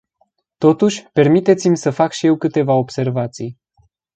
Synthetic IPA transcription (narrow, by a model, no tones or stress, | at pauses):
t̪o̞t̪uʃʲpe̞rmit̪e̞t̪simʲsəfakʃije̞wkɨt̪e̞vao̞bse̞rvat̪sij